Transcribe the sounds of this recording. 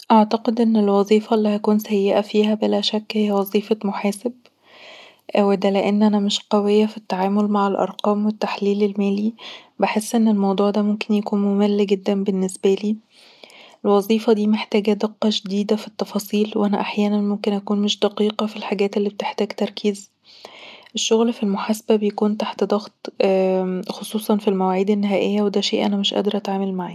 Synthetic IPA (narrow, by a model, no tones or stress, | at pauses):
ʔaʕt̪ɑqed̪ʔenːelwɑzˤiːfɑlːihækuːnsæjːeʔæfiːhæbelæʃækːhɪjːæwɑzˤiːfɑmoħæːseb | ʔwed̪æleʔenːʔænæmɪʃqɑwejːæfit̪ːaʕaːmolmaʕelʔɑ̰ɾˤqɑːmwet̪ːaħliːlelmæːliːbeħesːʔenːelmɑwd̪ˤuːʕd̪æmomkenjækuːnmomælːɡed̪ːæmbenːesbæliː | elwɑzˤiːfɑd̪iːmeħt̪æːɡæd̪eqːɑʒed̪iːd̪æfit̪ːɑfɑːsˤiːlweʔænæʔaħjæːnænmomkenʔækuːnmeʃd̪ɑqiːqɑfilħaɡæːt̪ʔelːiːbet̪eħt̪æːɡt̪ɑɾˤkʰiːz | ʔeʃːoɣlfilmoħaːsæbæbejækuːnt̪aħt̪d̪ˤɑɣt̪ | xosˤuːsˤɑnfilmæwæːʕiːd̪ænːɪɦæːʔejːæwed̪æːʃeːʔænæmeʃʔæ̰d̪ɑɾˤʔæt̪ʕaːmælmaʕiː